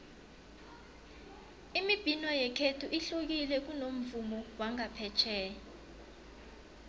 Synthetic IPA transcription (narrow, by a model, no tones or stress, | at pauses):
imib̥ʱinɔjɛkʰetʰuʔiɬuk̬ilɛk̬unom̩vumɔwaŋapʰɛt͡ʃʰɛːjɔ